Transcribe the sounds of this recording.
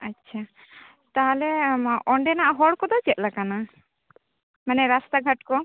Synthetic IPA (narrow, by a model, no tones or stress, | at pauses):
atːt͡ʃʰa | t̪aɦalɛʔɔɳɖɛnaʔaɦɔɽkɔd̪ɔt͡ʃɛt̪̚lakana | manɛɾast̪aɡʱaʈkɔ